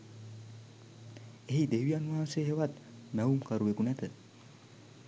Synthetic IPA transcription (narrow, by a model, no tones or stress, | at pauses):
eɦid̪eʋianuɦaːseɦeʋat̪mɛumkaɾuʋekunɛt̪ʰə